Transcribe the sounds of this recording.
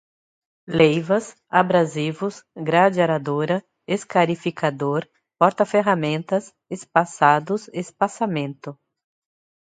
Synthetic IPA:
lejvɐs | abɾazivʊsɡɾad͡ʒaɾad̪oɾɐ | eskaɾifikʰad̪oɾ | pɔɾt̪ɐfeɦamẽnt̪ɐs | espasad̪ʊzespasamẽnt̪ʊ

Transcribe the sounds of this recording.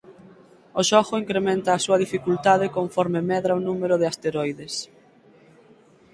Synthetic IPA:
oʃɔɣʊiŋkɾemẽnt̪aːsuɐðifikult̪aðekoɱfɔɾmemɛðɾaonũmeɾʊð̞east̪eɾɔjðes

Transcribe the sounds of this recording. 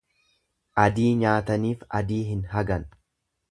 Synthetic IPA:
ʔɐd̪iːɲaːt̪ɐniːfɐd̪iːɦɪnɦɐɡɐn

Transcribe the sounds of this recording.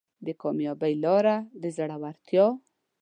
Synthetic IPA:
d̪əkɑmjɑbəjlɑɾad̪əzaɽawaɾt̪ʰjɑ

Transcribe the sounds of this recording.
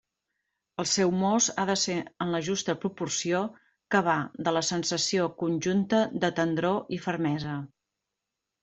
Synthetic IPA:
əlˠsɛwmozaðəseənləʒust̪əpɾupursio | kəβ̞aðələsənsəsiokunʲʒunt̪əðət̪ənd̪ɾoʔifərmɛzə

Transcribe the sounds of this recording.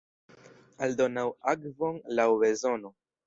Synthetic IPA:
ald̪onawakvoŋlawwezono

